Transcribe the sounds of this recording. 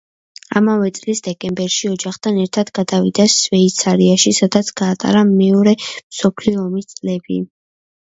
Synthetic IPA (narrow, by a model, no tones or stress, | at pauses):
a̰mavɛt̪sʼlisd̪̥ɛkʼɛmbɛɾʃiɔd͡ʒaχt̪ʰanɛɾt̪ʰad̪ɡad̪avid̪asvɛit̪sʰaɾiaʃisad̪at̪sʰɡ̥aːt̪ʼa̰ɾamɛɔɾɛmsɔpʰliɔːmist̪sʼlɛbḭ